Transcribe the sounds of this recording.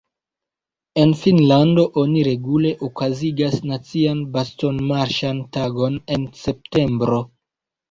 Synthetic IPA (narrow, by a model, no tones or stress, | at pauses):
e̞nfinlando̞ʔo̞niɾe̞ɡule̞ʔokaziɡasnat͡sianbasto̞nmaɾʃantaɡo̞ne̞nse̞p̚te̞mbɾo̞